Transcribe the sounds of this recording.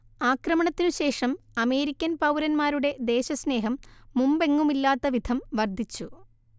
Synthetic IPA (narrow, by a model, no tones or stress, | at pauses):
aːkrɐmɐɳɐt̪ːinuɕe̞ːʂɐmɐme̞ːɾikʲːɐnpɐwɾɐnmaːɾuɽe̞d̪e̞ːɕɐsne̞ːɦɐmːumbe̞ŋːumilːaːt̪ːɐʋid̪ʱɐmʋɐrd̪ʱːit͡ɕːu